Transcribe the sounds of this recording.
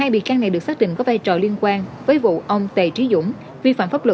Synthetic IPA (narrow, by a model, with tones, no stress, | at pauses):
haː˧jɓḭ˨kaː˧na˨˩jɗɨ˨˩ək̚saː˦˥k̚ɗḭ˧˨ŋkɔ˨˦vaː˧jt͡ɕɔ̰˨˩li˧ənkwaː˧nvəː˨˦jvṵ˧˨ʔə˧wŋ͡mt̪e˨˩t͡ɕi˨˦zʊ̰˧˥ŋ͡m | vi˧fa̰ː˧˨mfaː˦˥p̚lwə˧˨˩